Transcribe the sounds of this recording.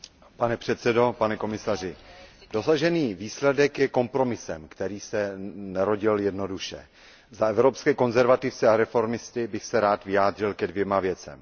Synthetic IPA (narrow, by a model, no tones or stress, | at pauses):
panɛpr̝̥ɛt̪sɛdo̞panɛko̞mɪsar̝ɪdo̞saʒɛniːviːslɛdɛkjɛko̞mpɾo̞mɪsɛmkt̪ɛɾiːsɛnɛɾo̞ɟɪljɛdno̞duʃɛ̰ | zaɛvɾopskɛːko̞nzɛɾvat̪ɪft͡sɛaɾɛfo̞ɾmɪst̪ɪbɪxsɛɾaːt̪vɪjaːdr̝ɪlkɛdvjɛmavjɛt͡sɛ̰m